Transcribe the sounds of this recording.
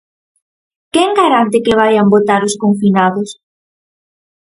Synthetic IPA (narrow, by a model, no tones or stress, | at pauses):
kɛŋɡaɾant̪̬ɪkɪβ̞ajambot̪aɾʊskoɱfinaðʊs